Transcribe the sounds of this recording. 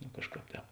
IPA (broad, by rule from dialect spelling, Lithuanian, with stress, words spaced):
noː ˈkɑːʃˌkɑːp ˈtʲɛːp